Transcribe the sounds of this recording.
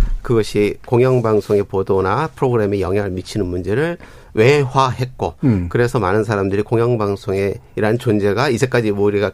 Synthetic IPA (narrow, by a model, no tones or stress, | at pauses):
kɯɡʌɕʰikoŋjʌŋbaŋsʰoŋe̞podonapʰɯɾoɡɯɾe̞mejʌŋjaɯɭmit͡ɕʰinɯnmund͡ʑe̞ɾɯɭ | we̞ɸwaɦe̞t̚k͈okɯɾe̞sʰʌmanɯnsʰaɾamdɯɾikoŋjʌŋbaŋsʰoŋe̞iɾaɯnt͡ɕond͡ʑe̞ɡaid͡ʑʰe̞k͈ad͡ʑimoɾiɡa